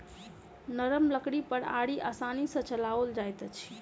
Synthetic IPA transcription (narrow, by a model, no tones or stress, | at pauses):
nəɾəmləkɽipəɾaɽiʔa̰sanisə̃t͡ʃəlaʋəld͡ʒajt̪ət͡ʃʰ